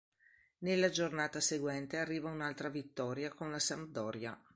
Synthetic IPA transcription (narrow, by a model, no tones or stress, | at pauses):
nelːad͡ʒornaːt̪aseɡwɛnt̪earːiːvaunalt̪ɾavit̪ːɔːɾjakonlasam̚d̪ɔːɾja